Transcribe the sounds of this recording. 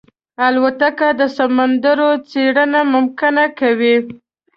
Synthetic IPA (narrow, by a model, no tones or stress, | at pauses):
alwat̪akad̪əsamand̪əɾot͡seɽənamʊmkɪnakawi